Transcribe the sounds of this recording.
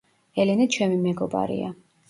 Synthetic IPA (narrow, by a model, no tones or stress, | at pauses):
ɛlɛnɛt͡ʃʰɛmimɛɡɔba̰ɾḭa̰